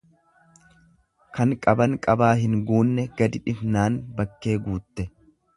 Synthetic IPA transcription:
kɐŋkʼɐbɐŋkʼɐbaːɦɪŋɡuːnːɛɡ̥ɐd̪ɪᶑɪfnaːnbɐkːe̞ːɡuːt̪ːɛ

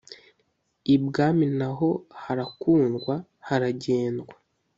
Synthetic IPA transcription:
ibɡaːminaɦo̞haɾakuːnɡwa | haɾaɟeːnɡwa

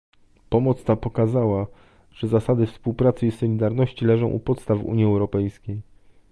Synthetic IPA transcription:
pɔmɔt̪st̪apɔkazawa | ʐ̥ɛzasad̪ɘfspuwpɾat̪sɘisɔlʲid̪aɾnɔɕt͡ɕilɛʐɔ̃w̃ʔṵpɔt̪st̪avṵɲjiɛwɾɔpɛjskʲej

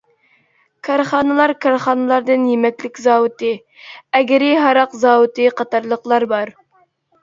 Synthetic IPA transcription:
kʰɑɾχɑːnɨlˠɑɾkʰɑɾχɑːnɨlˠɑɾd̪ɨnjemɛkʲlɪkʲzɑːwɨt̪ɨ | ɛɡʲɪɾɪɦɑɾɑqzɑːwut̪ɨqɑt̪ɑɾlˠəqlˠɑɾbɑɾ

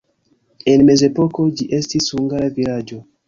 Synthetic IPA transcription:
enmezepokod͡ʒiʔestisuŋɡalavilad͡ʒo

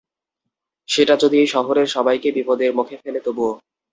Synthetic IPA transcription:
ʃeʈad͡ʑod̪ʱiejʃɔɦoɾeɾʃɔbajkebipod̪eɾmukʰefelet̪obuo

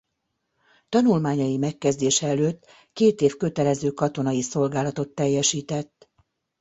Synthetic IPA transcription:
t̪ɒnulmaːɲɒjimɛkːɛzd̪eːʃɛɛløːt̪ː | keːt̪eːfkø̞t̪ɛlɛzøːkɒt̪o̞nɒjiso̞lɡaːlɒt̪o̞t̪ːɛjːɛʃiːt̪ɛt̪ː

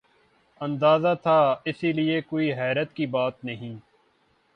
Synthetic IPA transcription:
ɐ̃nd̪aːzat̪ʰaɪsiliekoːiɦɛːɾət̪kibaːt̪nɐɦĩː

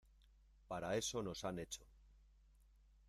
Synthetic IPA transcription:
paɾae̞so̞no̞sane̞t͡ʃo

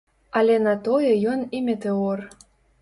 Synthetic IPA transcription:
alʲɛnɐt̪ojɛjɔnimʲet̪ɛɔr

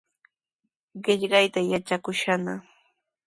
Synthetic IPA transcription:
ɢɪʎɢɑjt̪ajat͡ʃakʊʃana

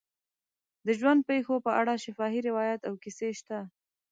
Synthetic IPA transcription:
d̪əʒwand̪̚pexopəʔaɽaʃɪfɑɦiɾɪwɑjat̪awkiseʃt̪a

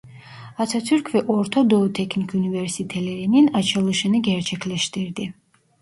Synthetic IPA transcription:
at̪sʰat̪sʰyɾkʰvɛʔɔɾt̪ʰɔd̪ɔut̪ʰɛkʰnikʰunivɛɾsit̪ʰɛlɛɾininat͡ʃʰɛlˠuʃɛnɛɡɛɾt͡ʃʰɛkʰlɛʃt̪iɾd̪i

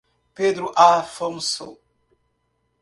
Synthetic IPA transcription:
ped̪ɾuʔafomso̰

